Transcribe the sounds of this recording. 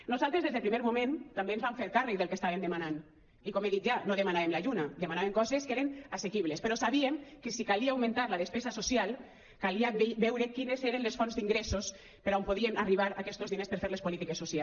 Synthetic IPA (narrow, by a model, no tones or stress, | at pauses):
nozalˠt̪ɾezðezðelpɾimeɾmomẽnt̪ambeːnzβaɱfeɾkarek̚ðelˠkest̪aβend̪emanan | ikɔmeðit̪̚ʒanoðemanaβemlaʎunad̪emanaβeŋkɔzeskeɾenasekiβlespeɾɔsaβiemkesikaliaːwmẽnt̪aɾlaðespɛzasosjalˠ | kaliabɛwɾekinezeɾenlesfɔnzd̪iŋɡɾesos | peɾaompoðienariβ̞aɾakɛst̪ozðinespeɾfeɾlespolit̪ikesːosia